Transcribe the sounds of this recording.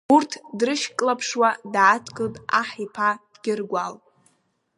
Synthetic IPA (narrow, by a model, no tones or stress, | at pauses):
urtʰdrɨʃkʼlapʰʂwadatʰkʼɨltʼaħipʰadɡʲɪrɡʷalʼ